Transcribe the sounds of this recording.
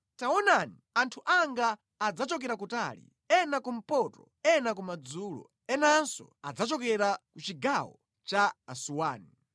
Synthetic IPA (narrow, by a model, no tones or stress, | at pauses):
taɔnaniantʰuʔaŋɡaː | d͡zat͡ʃɔkɛɾakutaːlḭ | ɛnakum̩pɔtɔ̰ | ɛnakumad͡zuːlɔ̰ | ɛnansɔ̰ad͡zat͡ʃɔkɛɾakut͡ʃiɡawɔ̰ | t͡ʃaːsuwaːni